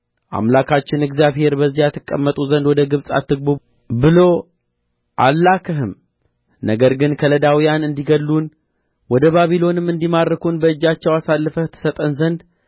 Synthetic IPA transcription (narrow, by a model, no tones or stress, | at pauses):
ʔa̰mlakʰat͡ʃːɪnɨɡzijaβhe̞ɾbəzːijat̪ʰːɨkʼːəmːət̪ʼuzənd̪wɔd̪əɡɨβsʼa̰t̪ːɨɡ̚bu | bɨlo̞ | ʔa̰lːakʰəɦɨm | nəɡəɾɡɨnkʰələd̪awijanɨnd̪iɡəlːun | wɔd̪əβaβilo̞nɨmɨnd̪imaɾəkʰunbəɨd͡ʒːat͡ʃːɛwasalːɨfət̪ʰːə̥sət̪ʼənzənd̪